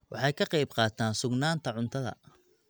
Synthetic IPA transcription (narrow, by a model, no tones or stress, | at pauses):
wɑħɑjkʰɐqɑjbqɑːt̪ʰaːnsʊɡnaːnt̪ʰɐʕʊnt̪ʰɐðɐ̰